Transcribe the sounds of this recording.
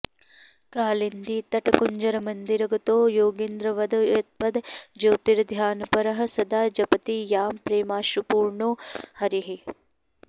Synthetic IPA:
kaːlind̪it̪ɐʈɐkuɲd͡ʒɐɾɐmɐnd̪iɾɐɡɐt̪oːjoːɡind̪ɾɐʋɐd̪ɐut̪̚pɐd̪d͡ʒoːt̪iɾɐd̪ʱjaːnɐpɐɾɐɦɐ̆sɐd̪aːd͡ʒɐpɐt̪ijaːmpɾeːmaːʃupuːɾɳoːhɐɾiɦi

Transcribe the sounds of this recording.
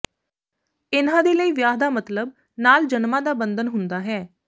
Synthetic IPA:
ɪnãːd̪eːləiːʋjaːɦd̪aːmət̪ləb̚ | naːld͡ʒənmãːd̪aːbənd̪ənɦʊnd̪aːɦɛː

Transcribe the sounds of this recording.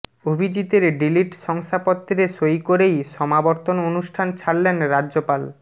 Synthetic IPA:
obʱid͡ʑit̪eɾɖiliʈʃɔŋsʰapot̪ːɾeʃojkoɾejʃɔmabɔɾt̪ononuʃʈʰant͡ɕʰaɽlenɾad͡ʑopal

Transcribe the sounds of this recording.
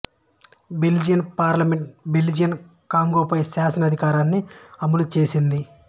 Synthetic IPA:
beld͡ʒinpaːɾlɐmeɳʈbeld͡ʒiɐn | kaːŋɡoːpɐjsaːsɐnɐd̪ʱikaːɾaːnːiɐmulut͡ʃeːsind̪i

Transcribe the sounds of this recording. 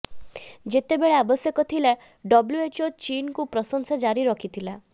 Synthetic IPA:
d͡ʒet̪ebeɭeabɔsjɔkɔt̪ʰile | ɖɔbljuet͡ʃot͡ʃinkupɾɔsɔŋsad͡ʒaɾiɾɔkʰit̪ʰila

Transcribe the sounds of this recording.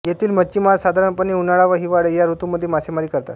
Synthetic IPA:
jet̪ʰiːlmət͡ɕimaɾsad̪ʱaɾəɳpəniunaɭaʋəɦiʋaɽəjaɾut̪uməd̪ʱːjemasemaɾiːkəɾt̪a̰t̪

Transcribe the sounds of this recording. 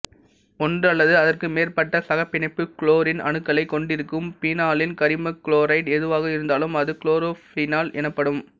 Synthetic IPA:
ɔndrɐlːɐðɯɐðɐrkɯmeːrpɐʈːɐsɐɣɐpːɪnɐɪpːɯkɭoːɾɪnɐ̰nɯkːɐɭɐɪkːɔɳɖɪɾɯkːɯmpiːnaːlɪnkɐɾɪmɐkɭoːɾɐɪʈɛðɯʋaːɣɐɪɾɯnd̪aːlɯmɐðɯkɭoːɾoːfɪnaːlɛnɐpːɐɽɯm

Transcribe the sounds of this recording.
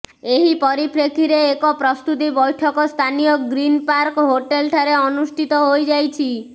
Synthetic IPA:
eɦipɔɾipʰɾekʰiɾeːkɔpɾɔst̪ut̪ibɔjʈʰɔkɔst̪ʰanijɔɡɾinpaɾkɦoʈelʈʰaɾeɔnusʈʰit̪ɔɦojd͡ʒajt͡ʃʰi

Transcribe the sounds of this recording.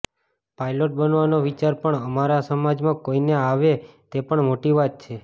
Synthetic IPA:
pajloʈ̚bənʋanoʋit͡ʃaɾpəɳəmaɾasəmad͡ʒmãkoineaʋet̪epəɳmoʈiʋat̪̚t͡ʃʰe

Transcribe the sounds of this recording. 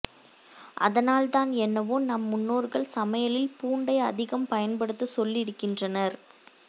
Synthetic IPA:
ʔɐ̰ðɐnaːlt̪aːnɛnːɐʋoːnɐmːʊnːoːɾɣɐɭsɐmɐjɐlɪlpuːɳɖɐɪɐ̰ðɪɣɐmpɐjɐnpɐɽɯt̪ːɯsɔlːɪɾɯkːɪndrɐnɐɾ

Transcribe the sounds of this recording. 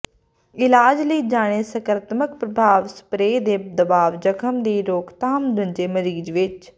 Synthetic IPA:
ɪlaːd͡ʒləiːd͡ʒaːɽ̃eːsəkəɾt̪məkpɾəbʱaːʋsə̥pɾeːd̪eːd̪əbaːʋd͡ʒəkʰəmd̪iːɾoːkt̪aːmd̪əɲd͡ʒeːməɾiːd͡ʒʋɪt͡ʃ

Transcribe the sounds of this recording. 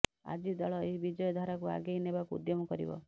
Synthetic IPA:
a̰d͡ʒid̪ɔɭɔeɦibid͡ʒɔjɔd̪ʱaɾakua̰ɡeinebakuːd̪jɔmɔkɔɾḭbɔ̰

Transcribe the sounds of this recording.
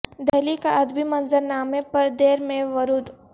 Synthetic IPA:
d̪ɐɦlikaʔɐd̪bʱimɐnzəɾnaːmepɐɾd̪eːɾmẽʋɐɾuːd̪

